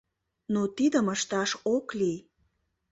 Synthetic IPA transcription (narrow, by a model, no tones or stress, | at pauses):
not̪id̪əməʃt̪ɑʃokli